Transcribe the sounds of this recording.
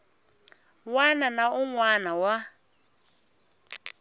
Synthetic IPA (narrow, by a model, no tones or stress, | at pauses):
wananaʔuŋwanawa